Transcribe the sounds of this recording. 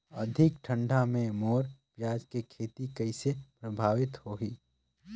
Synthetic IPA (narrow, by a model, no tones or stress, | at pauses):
ɐd̪ʱɪkʈʰə̃ɳɖʱamẽmoːɾpjaːd͡ʒkekʰeːt̪ikɐɪsepɾəbʱaːʋɪt̪hoːɦiː